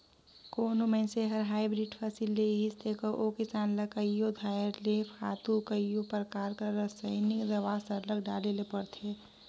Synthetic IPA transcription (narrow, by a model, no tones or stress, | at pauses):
koːnomẽseɦəɾɦaːɪbɾiɖpʰəsilːeɦɪst̪ekoʔokɪsaːnləkəjjod̪ʱajɾlepʰa̰ːt̪ukəjjopɾəkaːɾkaɾəsəɪnɪkd̪əʋaːsəɾləɡɖa̰lelepəɾt̪ʰeː